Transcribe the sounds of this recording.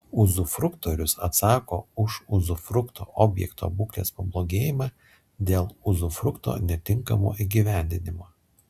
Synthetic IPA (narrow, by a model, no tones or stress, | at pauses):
ʊzʊfɾʊkt̪oːɾʲʊsɐt̪sɑːkoːʊʃʊzʊfɾʊkt̪o̰ːʔoːbʲjɛ̰kt̪o̰ːbʊklʲḛːspɐblˠoːɡʲeːjɪmɑː | d̪ʲeːlˠʊzʊfɾʊkt̪o̰nʲɛt̪ʲɪŋkɐmo̰ːʔiɡʲiʋʲæˑnʲd̪ʲɪnʲɪmoː